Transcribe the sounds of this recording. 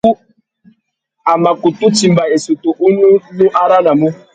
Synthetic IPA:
u˦ | a˨ma˨ku˨tu˦t͡ʃi˨m̩˨ba˨e˨su˨tu˨ʔu˦nu˦nũ˦ʔa˦ɾa˦na˨mũ˦

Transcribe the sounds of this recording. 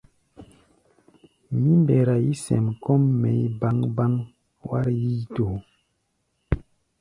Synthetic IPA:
mi˦mbɛ˨ɾa˨ji˦sɛ̰˨mkɔ˦mːɛ˨i˦ba˦ŋba˦ŋ | wa̰˦ɾji˦to˨

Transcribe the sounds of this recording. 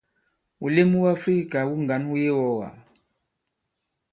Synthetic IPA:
u˨le˦mu˦wa˦fɾi˦ka˨wu˦ŋɡa˨nu˦jɛ˦wɔ˦ɣa̰˨

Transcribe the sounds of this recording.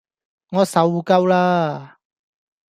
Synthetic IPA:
ŋɔ˧sa˨wu˧ka˧wla˦

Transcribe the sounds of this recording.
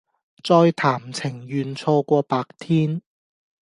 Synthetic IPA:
t͡sɔː˧jt̪ʰaː˨˩mt͡sʰɪ˨˩ŋjyː˨nt͡sʰɔː˧kʷɔː˧paː˧k̚t̪ʰiː˥n

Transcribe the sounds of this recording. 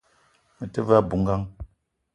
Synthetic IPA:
mə˨tə˦va˦˨bu˨˦ŋ̩˦ɡa˦ŋ

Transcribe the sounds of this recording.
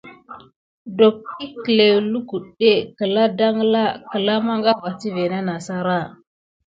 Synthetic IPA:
do˨k̚i˦kə˨le˨wlu˦ɡu˨ɗe˦kə˨la˦da˦ŋ˦la˦kə˨la˦ma˦ŋɡa˦va˨ti˦ve˨na˦na˨sa˦ɾa˦˨

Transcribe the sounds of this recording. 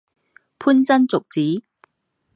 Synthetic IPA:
pʰu˥nt͡sɐ˥nt͡sʊ˨k̚t͡siː˨˥

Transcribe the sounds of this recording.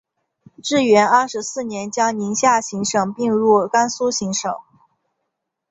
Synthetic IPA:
ʈ͡ʂɻ̩˥˩ɥɛ˧˥nɐ˥˩ʂɻ̩˧˥sɹ̩˥˩njɛ˧˥nt͡ɕjɑ˥ŋni˧˥ŋɕja˥˩ɕi˧˥ŋʂɤ˨˩ŋpi˥˧ŋɻu˥˩ka˥nsu˥ɕi˧˥ŋʂɤ̰˨˩˦ŋ

